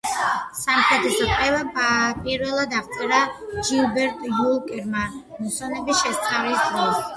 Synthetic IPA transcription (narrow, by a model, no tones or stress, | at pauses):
samχɾɛt̪ʰɛsɔpʼɾɛvapʼiɾvɛlˠad̪aχt̪ʼɛɾad͡ʒilbɛɾt̪ʼjulˠkʼɛɾma | musɔnɛbisʃɛst̪sʼχaɾisd̪ʼɾɔs